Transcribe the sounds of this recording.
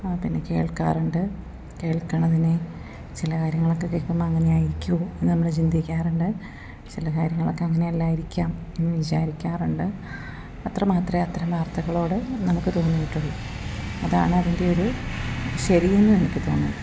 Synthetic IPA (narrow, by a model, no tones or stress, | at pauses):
aːpinːe̞ke̞ːɭka̰ːruɳɖɨ | ke̞ːɭkːɐɳɐðine̞ | t͡ɕilɐkaːɾjɐŋːɐɭo̞kːe̞kekːɐmːɐɐŋːɐne̞aːjiɾikʲːuoenːɨnɐmːɐɭt͡ɕind̪ikʲːaːruɳɖɨ | t͡ɕilɐkaːɾjɐŋːɐɭo̞kːe̞ɐŋːɐne̞ɐlːaːjiɾikʲːaːm | enːɨʋit͡ɕaːɾikʲːaːruɳɖɨ | ɐt̪rɐmaːt̪rɐɐt̪rɐmʋaːrt̪ɐɣɐɭo̞ːɽɨnɐmukːɨt̪o̞ːnːijiʈːuɭːuɐða̰ːɳɨɐðinde̞oɾu | ɕɐɾije̞nːɨnenɐkʲːɨt̪o̞̰ːnːu